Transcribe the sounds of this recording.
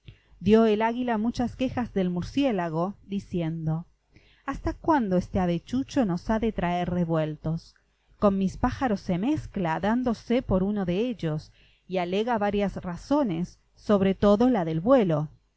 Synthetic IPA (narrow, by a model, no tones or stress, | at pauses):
d̪joelaɣilamut͡ʃaskexazðe̞lmuɾsjelaɣ̞oðisjend̪o̞ | ast̪akwand̪oest̪eaβet͡ʃut͡ʃo̞no̞saðet̪ɾaeɾreβwe̞lt̪o̞s | ko̞nmispaxaɾosːemesklaðand̪o̞sepo̞ɾunoðeeʎos | ialeɣaβaɾjasraso̞nesː | o̞βɾet̪oðo̞laðe̞lβwelo̞